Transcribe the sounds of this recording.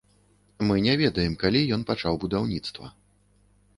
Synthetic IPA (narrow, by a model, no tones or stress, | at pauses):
mɨnʲɛvʲɛd̪ɐjɛmkalʲijɔn̪pat͡ʂawbud̪awnʲit̪st̪vɐ̰